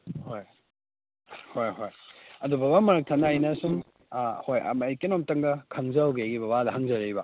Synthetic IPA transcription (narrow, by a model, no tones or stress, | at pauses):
hoj | hojhojɐdubɐbamɐɾɐk̚tʰɐnajnɐsuŋ | hojɐ̰mɐjkenomtɐŋɡɐkʰɐŋzɐwɡeaɡibɐbadɐɦɐŋzɐɾejbɐ